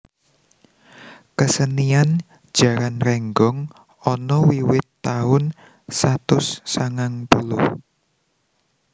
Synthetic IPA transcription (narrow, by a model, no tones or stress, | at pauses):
kəsənian | d̥ʒ̥ä̤ɾanrɛŋɡɔŋ | ɔnɔwiwɪt̪ːaʊn | sat̪ʊsːaŋaŋpulʊh